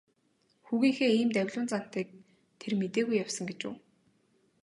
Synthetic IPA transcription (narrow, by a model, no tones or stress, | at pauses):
xuɣʲiːŋxeːiːmt̪æwʲɮʊːnt͡san̥t̪iːk̚ | t̪ʰermet̪eːɣujːawsə̆ŋɡet͡ɕṵː